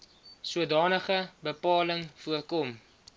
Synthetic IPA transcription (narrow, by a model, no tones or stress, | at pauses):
suədɑːnəχəbəpɑːləŋfuərkɔm